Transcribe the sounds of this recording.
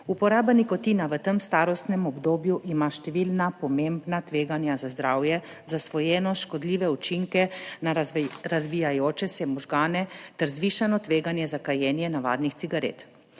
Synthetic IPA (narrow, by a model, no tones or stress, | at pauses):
upɔɾaːbanikɔt̪inaʋət̪əmst̪aːɾɔst̪nɛmɔbd̪oːbjuʔimaʃt̪ɛʋiːlnapɔmembnat̪ʋeːɡanjazazd̪ɾaːwjɛ | zasʋɔjɛːnɔʃkɔd̪liːʋɛut͡ʃiŋkɛnaɾazʋijajoːt͡ʃɛsɛmɔʒɡaːnɛt̪ɛɾzʋiːʃanɔt̪ʋeːɡanjɛzakajɛːnjɛnaʋa̰ːd̪nixt̪siɡaɾḛːt̪